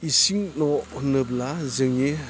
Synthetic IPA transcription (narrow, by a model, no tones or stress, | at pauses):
isiŋnɔhnɯblazɯŋi